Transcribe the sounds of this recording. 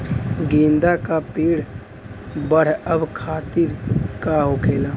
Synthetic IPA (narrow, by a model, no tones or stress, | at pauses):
ɡẽːnd̪akapiːɽ | bəɽ̤əbkʰaːt̪ɪɾkaɦokʰeːla